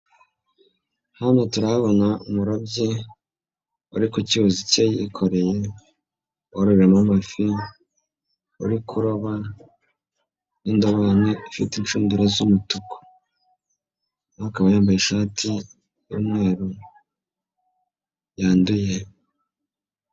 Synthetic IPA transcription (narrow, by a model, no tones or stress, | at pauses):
hanotuɾahaβonaumuɾobje | uɾikociβozicejiikʰoɾe̞je | woɾuβiɾamamafi | ṵɾikʰuɾoβa | nindoβaneifitint͡ʃuːnduɾazumutuko̥ | akaβajaːmbajeʃaːtʰi | jumŋe̞ːɾu | jaːnduje